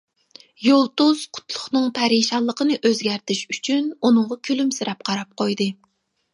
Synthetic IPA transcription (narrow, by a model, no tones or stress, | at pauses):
jolˠt̪uz̥qʰʊ̥t̪ʰlˠʊχnɨŋpʰɛɾiʃɑlˠːəqənɨʔøzɡʲæɾt̪ʰɪʃyt͡ʃʰynunɨŋʁɑkʲʰylymsɪɾɛp̚qʰɑɾɑp̚qʰojd̪ɨ